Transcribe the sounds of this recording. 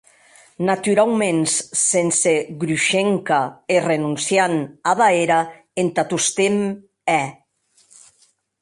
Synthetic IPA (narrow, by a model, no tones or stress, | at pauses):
nat̪yɾawmenssenseɣɾuʃeŋkaerenunsjanaðaeɾa | ent̪at̪ust̪em | ɛ